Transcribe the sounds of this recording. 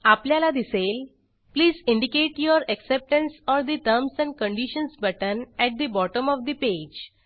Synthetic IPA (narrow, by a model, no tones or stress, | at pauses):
apljalad̪isel | pliːzĩɳɖikeʈjoɾeksep̚ʈə̃nsɔɾd̪it̪əɾmsɛ̃ɳɖkə̃ɳɖiʃə̃nsbəʈənɛʈ̚d̪ibɔʈə̃mɔfd̪iped͡ʒ